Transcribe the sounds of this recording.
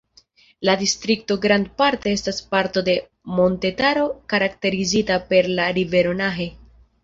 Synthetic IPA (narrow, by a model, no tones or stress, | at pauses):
ladistɾikto̞ɡɾand̚paɾtee̞staspaɾto̞de̞ | mo̞nte̞taɾo̞kaɾakte̞ɾizitape̞ɾlaɾive̞ɾo̞naɦe̞